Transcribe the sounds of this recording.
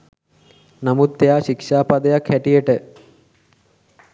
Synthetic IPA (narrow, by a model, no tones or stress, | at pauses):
nɐmut̪ːejaːʃikʂaːpɐd̪ɐjakʰhɛʈijəʈə